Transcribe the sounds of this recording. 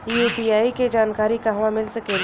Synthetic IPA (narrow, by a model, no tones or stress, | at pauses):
juːbiaːiked͡ʒaːnkaːɾikaɦʊãmɪlsɐkeː